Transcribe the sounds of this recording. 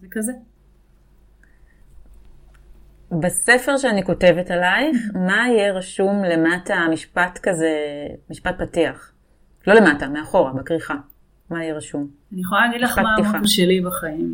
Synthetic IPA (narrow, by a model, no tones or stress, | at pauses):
zekaze | base̞feʁʃeaniko̞te̞vetalajχmaijeʁaʃumle̞matamiʃpatkaze̞miʃpat̚patiaχ | lo̞le̞matameaχo̞ʁabakʁiχa | maijeʁaʃum | anijeχolalaɡidlaʃpataiχaʃelibaχaim